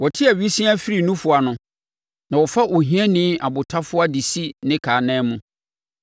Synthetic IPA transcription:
wɔ˨tʰɪ˦a˨ɥi˦sĩ˦a˦fi˦ɾi˨nũ˦fʊ˨a˨nʊ̃˦ | nã˨wɔ˨fa˦ʔo˨ɦĩ˦ɛ̃˦nɪ̃˦a˨bʊ˨tʰa˦fʊ˦a˦di˨si˦nɪ̃˦kʰaː˨nɛ̃ː˦mũ˦

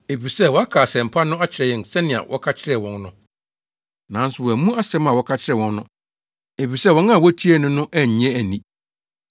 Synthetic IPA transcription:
e˨fi˨sɛ˦˨wɔ˨˦a˦kʰaː˨sɛ̃˨m̩˨pʰa˦nʊ̃˦a˦t͡ɕʰɪ˨ɾɛ˨jɪ̃˨n˨sɛ˦nɪ̃˨a̰˨wʔɔ̰˦kʰa˦t͡ɕʰɪ˦ɾɛ˨wɔ̃˨nnʊ̃˨ | nã˨˦n˦sʊ˨wɔ˨æ˨mũ˦a˦sɛ̃˦mã˨wɔ˨˦kʰa˦t͡ɕʰɪ˦ɾɛ˨wɔ̃˨nːʊ̃˦ | e˨fi˨sɛ˦˨wɔ̃˦n˦ã˨wɔ˦tʰi˦ɛ˦˨nʊ̃˦nʊ̃˦ʔæ˦˨ɲ˦ɛ̃˦æ˨nĩ˨

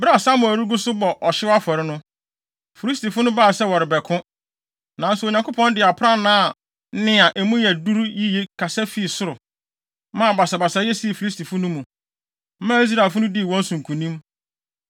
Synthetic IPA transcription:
ba˦˨sa˦mʊ˨æ˨ɾu˦ɡʊ˦sʊ˦bɔ˨ʔɔ˨ɕɪ˦a˦fɔ˨ɾɪ˦nʊ̃˦ | fi˨ɾi˦s̬ti˨fʊ˦nʊ̃˦baː˦˨sɛ˦wɔ˨ɾɪ˨bɛ˨kʰʊ̃˦ | nã˨˦n̩˦sʊ˨o˨ɲã˨ko˦pʰɔ̃˦ndɪ˨a˨pʰɾã˦nãː˦˨˦ | nɪ̃˦a˨ʔɛ˨mũ˦jɛ˨du˦ɾji˦je˦kʰa˨sɛ˦fi˦˨sʊ˦ɾʊ˨ | mã˦˨ba˨sa˨ba˨sa˨jɛ˦si˦˨fi˨li˦s̬tʰi˨fʊ˦nʊ̃˦mũ˨ | m̩˦mã˦i˦s̬ɾa˨fʊ˦nʊ̃˦di˦˨wɔ̃˦n̩˦sũ˨ŋ̩˨kʰũ˨nĩ˦m

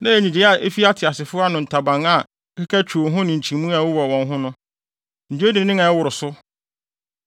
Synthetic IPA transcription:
nã˦e˨ɲĩ˨d͡ʑi˨˦a˨ʔe˦fi˦a˦tʰɪ˨a˨sɪ˨fʊ˦a˦nʊ̃˨n̩˨tʰa˨bã˨ŋa˦˨˦ | kʰɪ˦kʰa˦t͡ɕʰᶣu˨o˨˦ɦʊ̃˦nɪ̃˨ɲ̩˨t͡ɕʰĩ˨˦mũ˦a˨wʊ˦wɔ˨wɔ̃˨nɦʊ̃˦nʊ̃˦ | n̩˨d͡ʑu˦e˦dĩ˨˦nɪ̃˦ŋã˨ɛ˦wʊ˨ɾʊ˨sʊ˦

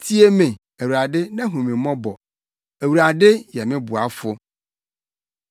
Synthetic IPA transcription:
tʰi˦e˦mɪ̃˨ | æ˨wɾa˨dɪ˦nã˦ɦũ˨mĩ˨mɔ̃˦bɔ˨ | æ˨wu˨ɾa˨dɪ˦jɛ˨mɪ̃˦bʊ˨a˨fʊ˦

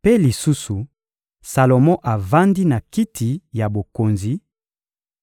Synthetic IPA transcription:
pe˦li˨su˦su˨ | sa˨lo˨mɔ̃˦ʔa˨va˦ndi˦na˨ki˦tʰi˨ja˨bo˨ko˨nzi˨

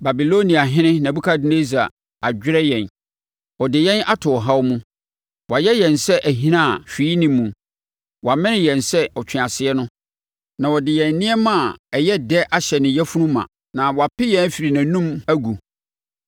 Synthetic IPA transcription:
ba˨bi˨lo˦nĩ˨a˨ɦɪ̃˦nɪ̃˦nã˨bu˦kʰa˦dɪ˦ne˦za˨ | a˨d͡ʑᶣɪ˦ɾɛ˦jɛ̃˨n | ɔ˨dɪ˨jɛ̃˦na˦tʰʊ˨ɔ˨ɦa˦wmũ˦ | wa˨jɛ˦jɛ̃˨nsɛ˦ʔæ˨ɦĩ˦nã˦˨fᶣiː˨˦i˦nĩ˦mːũ˨ | wa˨mɪ̃˦nɪ̃˦jɛ̃˨nsɛ˦ɔ˨t͡ɕᶣʰɪ̃˨ã˨sɪ˨˦ɛ˦nʊ̃˦ | nã˨wɔ˨dɪ˨jɛ̃˨nːɪ̃˦ɛ˦mã˦˨ɛ˨jɛ˦dɛ˦ʔa˨ɕɛ˨nɪ̃˨jɛ˦fu˦nũ˦mã̰˨ | nã˨wɔ˨a˨pɪ˦jɛ̃˦n˦fi˨ɾi˨nã˨nũ˦mæ˦ɡu˨

